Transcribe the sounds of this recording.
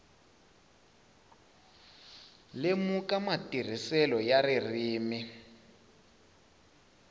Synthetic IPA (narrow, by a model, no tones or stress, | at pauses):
lemukamatʼir̤isɛlɔjarir̤iːmi